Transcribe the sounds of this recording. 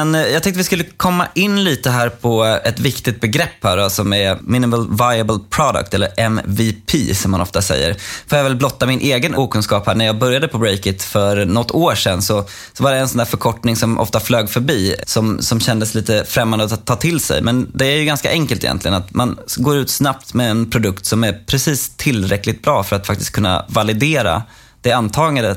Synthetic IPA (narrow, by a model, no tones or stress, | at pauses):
ɛnjɑɡt̪ɛŋt̪əvɪskɵlːəkʰɔmːa̰ʔɪnːliːt̪əɦæːɾpʰɔɛt̪vɪkt̪ɪt̪̚bɛɡɾɛpːhæːɖɔsɔmæmɪnɪməlvajəbəlpʰɾɑd̪ə̰kt̪ɛlːəɾʔɛmvɪpʰḭːsɔmːanɔ̰ft̪asɛ̰jːə̰ɾfoːɾjavɛlblɔt̪ːamɪnʔeːɡənuːkʰɵnskɑːphæːɳæɾjɑːɡbœɾjad̪əpʰɔbɾɛjkət̪fœɾnɔt̪ːoːʂɛnːsɔ | sɔvaɖɛɛnsɔnd̪æːɾfœɾkʰɔʈnɪŋsɔmʔɔ̰ft̪afløːɡfœɾbiːsɔmsɔmɕɛnd̪əsliːt̪əfɾɛmːand̪t̪ʰːɑːt̪ʰɪlsɛ̰jmɛnd̪ɛæɾjɵɡanska̰ʔɛŋkəlt̪ɪjɛ̰nt̪lɪɡə̰nat̪manɡoːɾʉ̟ːt̪snap̚t̪mɛɛnpʰɾʊd̪ɵkt̪sɔmæɾpʰɾɛsiːst̪ʰːɪlːɾɛkːlɪɡ̚t̪̚bɾɑːfœɾat̪fakt̪ɪ̥skʰɵnːa̰valɪd̪eːɾa̰ | d̪̥ɛant̪ʰɑːɡad̪ə